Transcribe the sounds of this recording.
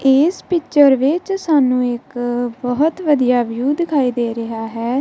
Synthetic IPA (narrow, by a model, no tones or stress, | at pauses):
eːspɪt͡ʃəɾʋɪt͡ʃsaːnũːɪkbəɦʊt̪ʋəd̪ijaːʋɪjuːd̪ɪkʰaːiːd̪eːɾɪɦaːɦɛː